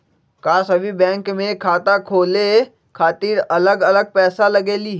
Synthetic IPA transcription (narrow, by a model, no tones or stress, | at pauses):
kaːsɐbʱibɛ̃ːŋkmẽkʰaːt̪akʰoːle | kʰaːt̪iːɾɐləɡələɡ̚pɛːsaləɡeːli